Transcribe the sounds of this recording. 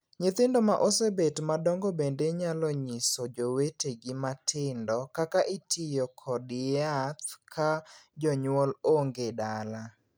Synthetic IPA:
ɲɪt̪ɪndɔma̰ʔosebetmadɔŋɡɔbendeɲalɔɲɪsɔd͡ʒoweteɡɪmatʰɪndɔkakaʔɪtʰɪjɔkʰɔdɪat̪̚kʰad͡ʒɔɲwɔloŋɡedala

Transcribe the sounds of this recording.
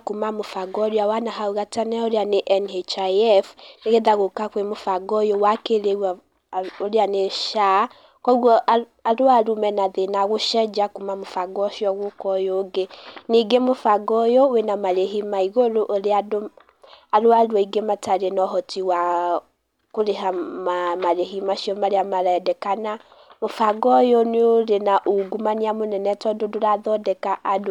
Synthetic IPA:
kumamofaɡɔɾjawanaɦauɣatanɛoɾeaneʔɛnɛt͡ʃaɛfneɣeðaɣokakwemofaɡɔjowakeɾeɣa | oɾeaneʃa | kɔɣwɔa | aɾoaɾumɛnaðenaɣoʃɛd͡ʒakumamofaɡɔʃjɔɣokɔjoɡeniɡemofaɡɔjɔwenamaɾeɦimaiɣoɾoʔoɾeado | aɾoaɾwɔiɡemataɾenɔɦɔtiwa | koɾeɦamamaɾeɦimaʃiɔmaɾeamaɾaɛdɛkana | mofaɡɔjɔneoɾenaʔuɡumaniamonɛnɛtɔdodoɾaðɔdɛkaʔad

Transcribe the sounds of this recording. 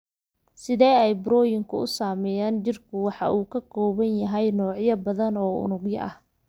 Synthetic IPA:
sɪðɛːɛjbɾɔːjɪŋkʰʊʊsaːmɛjaːnd͡ʒɪrkʰʊwɑħɑ̰ʔuːkʰɐkʰɔːβɐnjɐɦɛjnɔːʕjɐbɐðɐnɔːʊ̰nʊɡjɐ̰ʔɐh

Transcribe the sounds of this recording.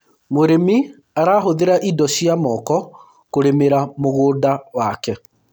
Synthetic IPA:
moɾemi | aɾaːɦoðeɾaʔidɔɕiamɔkɔ | koɾemeɾamoɣoːdawakɛ

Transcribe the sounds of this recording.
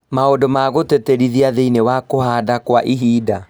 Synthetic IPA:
maodomaɣoteteɾiðiaðeinewakoɦadakwaʔiɦiːda

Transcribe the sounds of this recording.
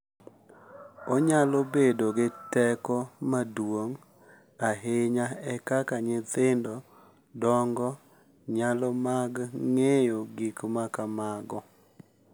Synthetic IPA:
oɲalobedoɡɪtɛkɔmadwoŋ | aɦɪɲaɛkakaɲɪtɪndɔ | dɔŋɡɔ | ɲalɔmaɡŋejoɡikmakamaɡɔ

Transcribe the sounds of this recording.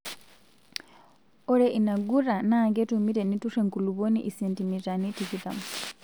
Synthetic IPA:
oɾeʔinaɡuranaːŋɡetumiɾenituʂeŋkuluβonḭʔisentimitanitikita̰mu

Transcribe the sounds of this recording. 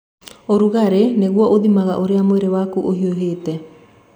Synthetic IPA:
oɾuɣaɾeneɣwɔʔoðimaɣaʔoɾeamoeɾewakuʔoɦioɦeːtɛ

